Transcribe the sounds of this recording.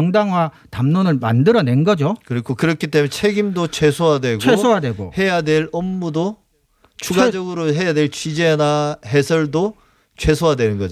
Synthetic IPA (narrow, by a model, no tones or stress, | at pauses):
ʌŋdaŋwa | tamnonɯɭma̰ndɯɾʌne̞nɡʌd͡ʑokɯɾikʰokɯɾʌkʰit͈emeet͡ɕʰe̞ɡimdot͡ɕʰwe̞sʰoɦadwe̞ɡt͡ɕʰweoadweɡo̰he̞jadwe̞ɾʌmːudo | t͡ɕuɡad͡ʑʌɡɯɾoɦe̞jadwe̞ɭt͡ɕid͡ʑenaɦesʰʌɭdo | t͡ɕʰwe̞sʰoadwenɯnɡʌd͡ʑ